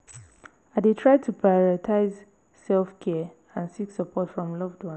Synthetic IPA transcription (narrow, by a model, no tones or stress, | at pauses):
adetʰɹaɪtʰupʰɹaɔɹɔtʰaɪz | sɛlˠfkʰɛ | ãnsiksəpʰɔtfɹɔ̃mlɔvdwãn